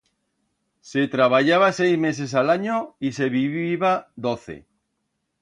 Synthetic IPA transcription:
set̪ɾaβaʝaβ̞asejzmes̬es̬alaɲoiseβiβiβad̪oθḛ

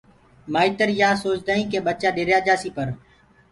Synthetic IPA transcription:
maːiːt̪əɾjaːsoːt͡ʃd̪aːĩːkẽːɓət͡ʃaːɗeːɾjaːd͡ʒaːsiːpəɾ

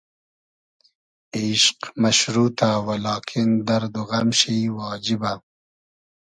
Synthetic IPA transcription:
eʃqmɐʃɾuːt̪awalɑːkʰind̪ɐɾd̪uɣɐmʃijwɑːd͡ʒiba

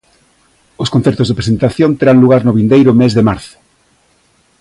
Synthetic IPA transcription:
oskonθɛɾt̪ʊzðepɾesent̪aθjont̪eɾaŋluɣaɾnʊβind̪ejɾʊmezðemaɾθʊ̥

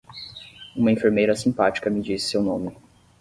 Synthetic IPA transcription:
ũmɐẽfeɾmejɾɐsĩpat͡ʃi̥kɐmɪd͡ʒisɪ̥sewnõmɪ

